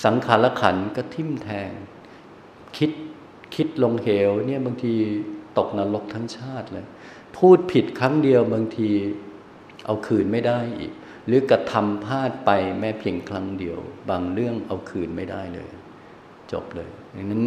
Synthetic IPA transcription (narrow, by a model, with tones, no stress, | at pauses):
sa˩˦ŋkʰaː˩˦nla˦˥kʰa̰˩˦nkɔː˥˩t̪ʰi˥˩mt̪ʰɛː˧ŋ | kʰi˦˥t̪̚ | kʰi˦˥t̪̚lo˧ŋheː˨˩wni˥˩əbaː˧ŋt̪ʰiː˧t̪o˨˩k̚naː˧lo˦˥k̚t̪ʰa˦˥ŋt͡ɕʰaː˥˩t̪̚lɤː˧j | pʰuː˥˩t̪̚pʰi˨˩t̪̚kʰɾa˦˥ŋdi˧əwba˧ŋt̪ʰiː˧ | ʔa˧wkʰɯː˨˩nma˥˩jda˥˩jʔḭː˨˩k̚ | ɾɯː˩˦kɾa˧t̪ʰa˧mpʰaː˥˩t̪̚pa˧jmɛː˦˥pʰi˧əŋkʰla˦˥ŋdi˧əwbaː˧ŋɾɯ˥˩əŋʔa˧wkʰɯː˨˩nma˥˩jdaː˥˩jlɤ̰ː˧jʔa˨˩ | t͡ɕo̰˨˩p̚lɤː˧ja˨˩ŋna˦˥n